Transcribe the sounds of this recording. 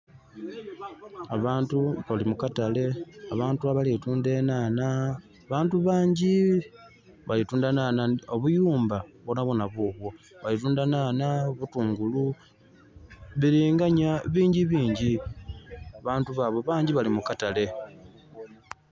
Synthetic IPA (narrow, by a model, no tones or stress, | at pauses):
a̰βaːntuβalimukatale̞aβaːntuaβalituːnde̞ːnana | βaːntuβaːɲɟi | βalituːndanaːnao̞βujuːmbaβonaβonaβoːβwo̞ | βalituːndanaːnaβutuːŋɡulu | βiɾiːŋɡaɲaβiːɲɟiβiːɲɟi | aβaːntuβaβo̞βaːɲɟiβalimukatale̞